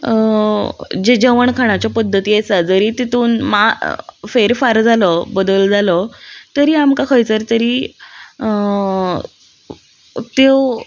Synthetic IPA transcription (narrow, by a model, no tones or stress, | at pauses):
d͡ʑed͡ʑəʋəɳkʰaɽ̃at͡ɕjapəd̪ʱːət̪iːesad͡zəɾiːt̪it̪ʰuːnmafeɾfaɾd͡zʱalɔbəd̪əld͡zʱalɔt̪əɾiːamkakʰəjt͡səɾt̪əɾiː | t̪o